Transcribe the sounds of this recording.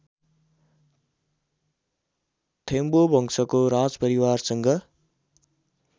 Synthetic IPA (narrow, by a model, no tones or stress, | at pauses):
t̪ʰembobʱʌŋsʌkoɾãd͡zpʌɾiwarsʌŋɡʌ